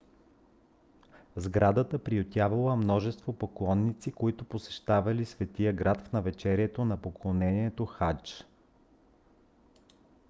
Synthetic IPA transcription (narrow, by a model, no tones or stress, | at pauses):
zɡɾad̪ət̪əpɾiot̪ʲavɐlˠəmnɔʒɛst̪vopoklˠɔnːit̪sikoit̪ʊposɛ̥ʃt̪avɐlisvɛt̪ijəɡɾat̪fnɐvɛt͡ʃɛɾiɛt̪onɐpoklˠonɛniɛt̪oxat͡ʃ